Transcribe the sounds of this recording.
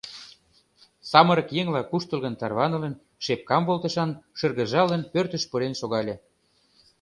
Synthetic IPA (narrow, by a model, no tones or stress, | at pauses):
sɑməɾə̆kjeŋlɑkuʃt̪ə̆lɣə̆nt̪ɑrβɑnɤ̆lə̆n | ʃep̚kɑmβolt̪ə̆ʃɑnʃə̆rɣə̆ʒɑlə̆npørt̪ə̆ʃpɤɾenʃoɣɑlʲe